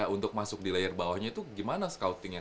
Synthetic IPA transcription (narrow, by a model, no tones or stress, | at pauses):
unt̪ʊk̚masʊk̚dilaɪrbawahɲait̪uɡimanasə̥kaut̪ɪŋɲa